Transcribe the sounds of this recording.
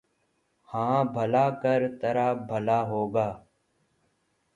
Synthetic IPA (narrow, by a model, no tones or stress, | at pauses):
hãːbʱəlaːkəɾt̪əɾaːbʱəlaːɦoːɡaː